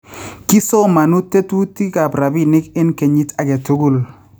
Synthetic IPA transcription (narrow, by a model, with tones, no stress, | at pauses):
ki˦so˦ma˨nu˦te˦tu˦ti˦ka˨pɾa˨bi˦nɪ˦kɪ˦nke˨ɲi˦ta˨ke˨tu˦ɡu˦˨l